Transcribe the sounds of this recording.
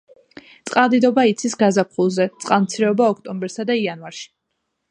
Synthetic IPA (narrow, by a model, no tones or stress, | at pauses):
t̪sʼqʼalˠd̪id̪ɔbait̪sʰisɡazap̚ʰχulˠzɛt̪sʼqʼalˠmt̪sʰiɾɛɔbaɔkʰt̪ʼɔmbɛɾsad̪aianvaɾʃi̥